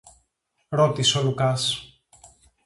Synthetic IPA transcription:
ɾo̞t̪isolukɐs

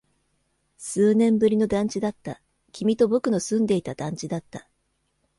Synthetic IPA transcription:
sɨːnẽ̞mbɯ̟ɾʲino̞d̪ãɲ̟t͡ɕid̪at̪ːa | kʲimʲit̪o̞bo̞kɯ̟no̞sɨ̃nd̪e̞it̪ad̪ãɲ̟t͡ɕid̪at̪ːa

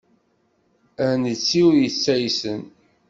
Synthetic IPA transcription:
ænət͡sːiujət͡sːæjsən

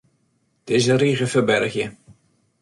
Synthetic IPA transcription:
d̥ɪzəriɣəfəbɛrxjə

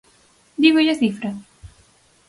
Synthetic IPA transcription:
d̪iβeʎaθifɾɐ

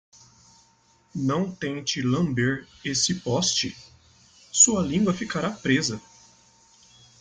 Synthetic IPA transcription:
nɐ̃w̃t̪ẽj̃t͡ʃɪlɐ̃mbeɾesɪpɔst͡ʃɪ | suɐlĩɡwɐfikaɾapɾezɐ

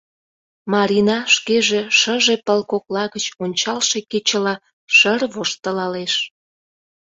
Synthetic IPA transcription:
mɑɾʲinɑʃkeʒeʃəʒe̽pəlkoklɑɣət͡ɕonʲt͡ɕɑlʃeket͡ɕəlɑ | ʃərβoʃt̪əlɑleʃ

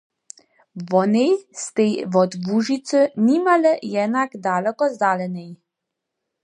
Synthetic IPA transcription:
vɔnejst̪ejvɔd̪vuʒit̪t͡s̪ənʲimaləjɛnakd̪alɛkɔzd̪alɛnɛj

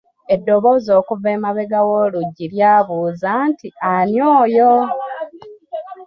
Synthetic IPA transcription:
e̞dːo̞βo̞ːzo̞ːkuve̞ːmaβe̞ɡawoluɟːiɾjaːβuːzaːntianjoːjo

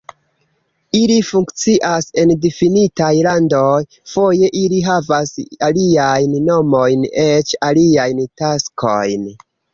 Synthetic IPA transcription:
ilifuŋkt͡siʔase̞ndifinitajlandoj | fo̞je̞ʔiliɦavasaliajnːo̞mo̞jnet͡ʃaliajntaskʰo̞̰jn

